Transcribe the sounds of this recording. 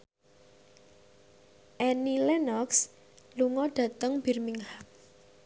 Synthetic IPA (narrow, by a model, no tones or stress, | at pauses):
ʔɛnilɛnɔks | luŋɔɖ̥ä̤t̪əŋb̥i̤rmiŋhak̚